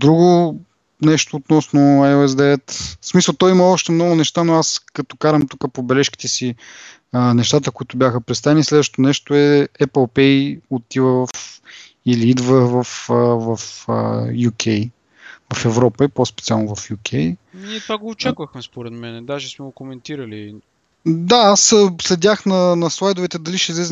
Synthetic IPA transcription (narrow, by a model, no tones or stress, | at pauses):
d̪ɾuɡʊ | nɛʃt̪oːt̪nɔsnoaoɛz̬d̪ɛɛt̪smisəlˠt̪ɔjimɐɔʃt̪ɛmnɔɡʊnɛʃt̪anoaskɐt̪ɔ̥kaɾɐmt̪ukəpobɛlɛʃki̥t̪ɛsi | ənɛʃt̪at̪əkoit̪ʊbjaxəpɾɛt̪st̪avɛnislɛd̪vəʃt̪o̥t̪onɛʃt̪oɛɛpəlˠpɛjot̪ivəvf | iliid̪vəvɐfəvɐfə̰jukʲʰɛj | vɐfɛvɾɔpəipospɛ̥t̪sialˠnovɐfjukʰʲɛjniɛt̪vaɡoːt͡ʃakvəxmɛspoɾɛt̪mɛnɛd̪aʒɛsmɛɡokomɛnt̪iɾəli | d̪aasəslɛd̪ʲaxnɐnɐslˠajd̪ʊvɛt̪ɛd̪ɐliʃɛizlɛz